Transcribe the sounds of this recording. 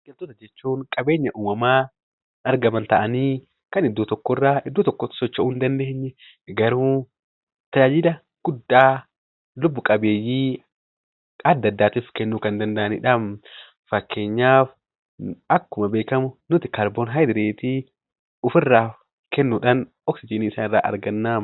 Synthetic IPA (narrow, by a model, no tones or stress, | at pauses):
ɡɛlt̪oːt̪ɐd͡ʒɛt͡ʃːuːŋkʼɐbe̞ːɲːɐʔuːmɐmaː | ɐɾɡɐmɐnt̪ɐʔɐniː | kɐnɪd̪ːuːt̪ɔkːɔrːaːɪd̪ːuːt̪ɔkːɔ̥sɔt͡ʃːɐʊnd̪ɐnd̪eːɲːɛ | ɡɐɾuː | t̪ɐjaːd͡ʒɪd̪ɐ | ɡ̥ʊd̪ːaː | lʊbːʊkʼɐbe̞ːjiː | ɐd̪ːɐd̪ːaːt̪iːfkɛnːuːkɐnd̪ɐnd̪ɐʔɐnɪᶑɐm | fɐkʰːe̞ːɲːaːf | ɐkːʊmɐbeːkɐmʊnʊt̪ɪkɐɾbonɦɐjd̪ɪɾeːt̪i | ʊfɪrːaːf | kɛnːuːᶑɐn | ɔksɪd͡ʒɪːniːɪsaːnɪrːa̰ːʔɐ̰ɾɡɐnːaː